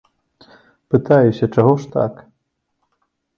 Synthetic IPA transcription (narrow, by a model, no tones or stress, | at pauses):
pɨt̪ajɛsʲɐt͡ʂaɣɔʂt̪a̰k